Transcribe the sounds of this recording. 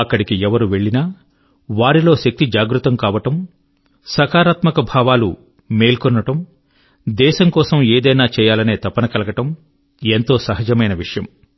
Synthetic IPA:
ɐkːɐɽikiɛʋɐɾuʋe̞ɭːinaː | ʋaːɾilo̞ːʃɐk̚t̪id͡ʒaːɡɾut̪ɐmkaːʋɐʈɐm | sɐkaːɾaːt̪mɐkɐbʱaːʋaːlṵ | me̞ːlkɔnːɐʈɐm | d̪ɛːʃɐmkɔːsɐmeːd̪ɐjnaːt͡ʃɛːjaːlɐne̞ːt̪ɐpːɐnɐkɐlɐkɐʈɐm | ent̪o̞ːsɐɦɐd͡ʒɐmɐjnɐʋiʂɐjɐ̰m

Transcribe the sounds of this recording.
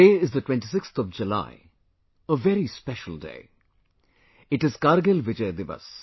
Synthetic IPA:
eːɪzd̪əʈwɛ̃nʈis̬ɪkst̪ʰɔʋd͡ʒəla̰ɪ | əʋɛɾispɛʃəl̩ˠdḛː | ɪʈɪzkaːɾɡelʋɪd͡ʒeɪd̪ɪʋə̰s

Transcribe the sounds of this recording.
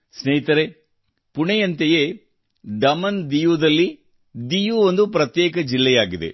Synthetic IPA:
sneːit̪ɐɾe | puɳɛjɐnt̪eje | ɖɐmɐnd̪ijud̪ɐlːi | d̪ijuond̪upɾɐt̪jeːkɐd͡ʒilːɛjaːɡid̪e̞̰

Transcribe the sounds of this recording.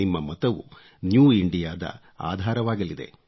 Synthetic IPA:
imːɐmɐt̪ɐʋu | njuːiɳɖijaːd̪ɐ̰ | a̰ːd̪ʱaːɾɐʋaːɡɐlid̪e̞̰

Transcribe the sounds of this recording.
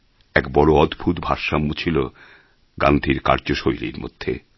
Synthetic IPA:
ɛkbɔɽoɔd̪bʱut̪bʱaɾʃamːut͡ɕʰilo | ɡand̪ʱiɾka̰ɾd͡ʑoʃojlḭɾmo̰d̪̥ʱːḛ

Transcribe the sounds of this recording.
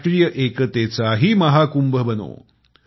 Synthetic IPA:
ʈɾijəʔekət̪et͡saɦiːməɦakumbʱəbəno̰

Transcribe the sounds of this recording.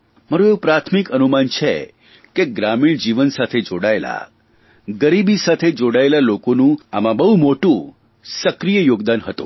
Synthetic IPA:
məɾõeũpɾat̪ʰmikənumant͡ʃʰḛ | keɡɾamiɳd͡ʒiʋənsat̪ʰed͡ʒoɽaela̰ | ɡəɾibisat̪ʰed͡ʒoɽaelalokonũa̰mãbəɦumoʈũ | səkɾijəjoɡd̪anɦət̪ṵ̃

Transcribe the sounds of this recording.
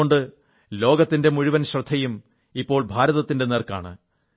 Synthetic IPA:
oɳɖɨ | lo̞ːɡɐt̪ːinde̞muɻiʋɐnɕrɐd̪ʱːɐjum | ipːo̞ːɭbʱaːɾɐðɐt̪ːinde̞neːrka̰ːɳɨ̰

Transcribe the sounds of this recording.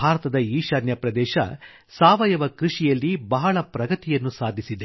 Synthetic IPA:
aːɾɐt̪ɐd̪ɐiːʃɐːnjɐpɾɐd̪ɛːʃɐ̰ | saːʋɐjɐʋɐkɾiʂijɐlːibɐɦɐɭɐpɾɐɡɐt̪ijɐnːusaːd̪ʱisid̪e

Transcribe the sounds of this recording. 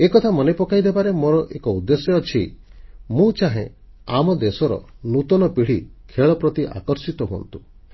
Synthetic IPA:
ekɔt̪ʰamɔnepɔkajd̪ebaɾemoɾɔʔekɔud̪ːesjɔɔt͡ʃʰi | mũt͡ʃaɦḛ̃ | amɔd̪esɔɾɔ̰nut̪ɔnɔpiɽ̤ikʰeɭɔpɾɔt̪iʔa̰kɔɾsit̪ɔɦuɔ̰nt̪u

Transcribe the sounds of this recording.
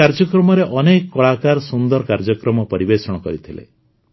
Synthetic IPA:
aɾd͡ʒɔkɾɔmɔɾeʔɔnekːɔɭakaɾsund̪ɔɾɔkaɾd͡ʒɔkɾɔmɔpɔɾibesɔɽ̃ɔkɔɾit̪ʰilḛ

